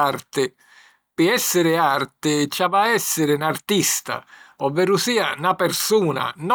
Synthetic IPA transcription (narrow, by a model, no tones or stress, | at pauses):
art̪ɪ | pɪɛsːɪɾɪart̪ɪt͡ʃavaɛsːɪɾɪnart̪ist̪a̰ɔvːɛɾusiːanapɛɾsuːna̰nɔ